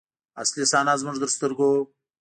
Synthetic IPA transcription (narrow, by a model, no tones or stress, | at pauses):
a̰slisɑːnazmʊʐd̪əɾst̪əɾɡo